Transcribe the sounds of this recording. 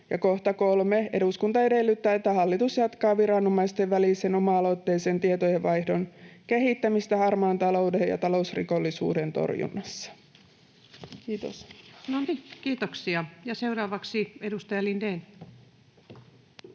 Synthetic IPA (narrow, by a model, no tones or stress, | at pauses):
jɑko̞ht̪ɑko̞lmee̞̰duskunt̪ɑe̞de̞lːyt̪ːæːet̪ːæhɑlːit̪usjɑt̪kɑːʋiɾɑnomɑist̪eʋʋæliseno̞mɑɑlo̞t̪ːe̞jsent̪iet̪ojeʋʋɑjhdo̞nke̞ɦit̪ːæmist̪æhɑrmɑːnt̪ɑlo̞wdejɑ̰t̪ɑlo̞usrḭko̞lːisṵːdent̪o̞̰rjṵnːɑsːɑ̥ | kiːt̪o̰snonkiːt̪oksiɑjɑseuɾɑːʋɑksiedust̪ɑjɑlindeːn